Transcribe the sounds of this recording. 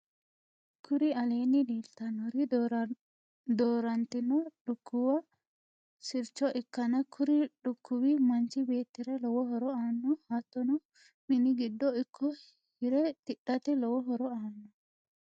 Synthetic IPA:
kʰʊɾɪɐle̞ːnːɪd̪iːlt̪ːɐnɔɾɪ | d̪oːɾɐnt̪ːɪnɔᶑʊkːʊwɐ | sɪɾt͡ʃːɔʔɪkːɐnɐkʰʊɾɪᶑʊkːʊwɪmɐnt͡ʃɪbe̞ːt̪ːɪɾɐlɔwɔɦɔɾɔaːnːɔhɐt̪ːɔnɔ | mɪnɪɡɪd̪ːɔɪkʰːɔ | ɪɾɛt̪ɪɗːɐt̪ɛlɔwɔɦɔɾɔaːnːɔ

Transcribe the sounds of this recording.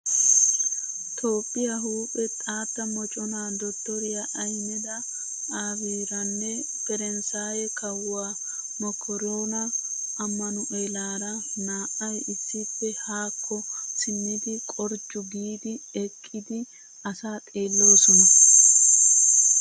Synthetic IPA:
t̪ʰo̞ːpʼːɪjɐɦuːpʼɛt̪ʼaːt̪ːɐmɔt͡ʃʼɔnaːd̪ɔt̪ːɔɾɪjaʔːjnɛd̪ɐ | aːbiːɾɐnːɛ | pɛɾɛnsaːjɛkɐwːaː | mɔkʰːɔɾoːnɐ | ɐmːɐnʊʔelaːɾɐnaːʔɐjɪsːɪpːɛhaːkʰːɔsɪmid̪ɪkʼɔɾd͡ʒʊɡiːd̪ɪɛkʼːɪd̪ɪ | ɐsaːt̪ʼe̞ːlːo̞ːsɔnɐ

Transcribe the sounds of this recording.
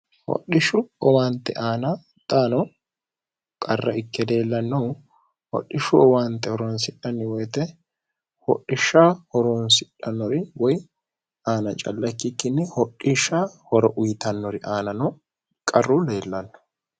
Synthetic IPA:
hɔ̰ɗɪʃʊɔwaːnt̪ːɛ̰ʔaːnɐ | t̪ʼaːnɔ | kʼɐrːɐʔɪkːɛle̞ːlːɐnːɐw | hɔ̰ɗːɪʃʊɔwaːnt̪ːɛhɔɾɔnsɪᶑɐnːɪwɔjt̪ɛ | hɔ̰ɗːɪʃːaːhɔɾɔnsɪᶑːɐnːɔɾɪwɔj | aːnɐt͡ʃʼɐ̰lːɐkːɪkːɪnːɛhɔɗːɪʃːaːhɔɾɔʔʊjt̪ɐnːɔɾɪʔaːnɐnɔ | kʼɐrːʊle̞ːlːɐnːɔ̥

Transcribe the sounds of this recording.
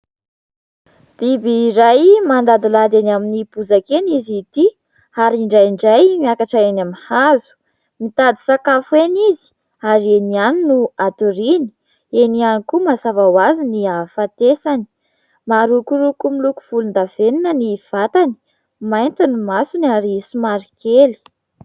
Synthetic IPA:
d̪̥ibiːɾajmand̪ad̪ilad̪anaminipuzakenizit̪i | aɾiɳɖ͡ʐajiɳɖ͡ʐajmiakaʈ͡ʂaenamihazu̥ | mit̪ad̪isakafuenizi̥ | aɾienianinuat̪uɾini̥ | enianikumasavawaziniafat̪esani̥ | maɾukuɾukumiluku̥v̥ulund̪aveninəniv̥at̪ani̥ | majnt̪inimasunaɾisumaɾikʰeli̥

